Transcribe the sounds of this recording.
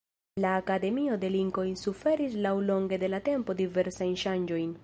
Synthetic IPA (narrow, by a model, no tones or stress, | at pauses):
laːkade̞mio̞de̞liŋko̞jnsufe̞ɾislawlo̞ŋɡe̞de̞late̞mpo̞dive̞ɾsajnʃand͡ʒo̞jn